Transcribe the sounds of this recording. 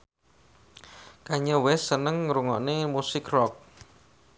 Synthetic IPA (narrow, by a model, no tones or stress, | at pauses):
kaɲəwɛsənəŋɾuŋɔʔnemusɪkrɔk̚